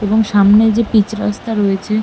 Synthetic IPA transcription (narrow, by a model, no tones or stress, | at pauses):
eboŋʃamned͡ʑepit͡ɕɾast̪aɾoet͡ɕʰe